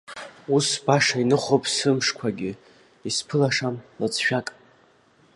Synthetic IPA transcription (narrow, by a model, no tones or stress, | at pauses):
usbaʂainɨχopʼsɨmʂkʷʰaɡʲɪ | ispʰɨlaʂamlat͡sʰʼʃᶣakʼ